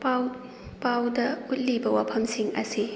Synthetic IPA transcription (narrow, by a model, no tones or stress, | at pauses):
pw | pawdɐut̚libɐwapʰɐmsiŋʔɐ̰si